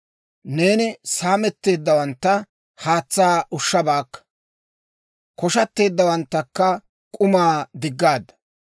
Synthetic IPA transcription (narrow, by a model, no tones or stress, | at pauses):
ne̞ːnɪsaːmɛt̪ːe̞ːd̪ːɐwɐnt̪ːɐ | haːt͡sːaːʊʃːɐbaːkːɐ̥ | kɔʃɐt̪ːe̞ːd̪ːɐwɐnt̪ːɐkːɐ | kʼʊmaːd̪ɪɡːaːd̪ːɐ̥